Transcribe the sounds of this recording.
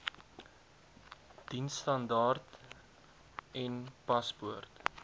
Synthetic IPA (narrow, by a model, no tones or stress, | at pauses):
d̥insːtɐndɑːrt | ɛnpɐspuərt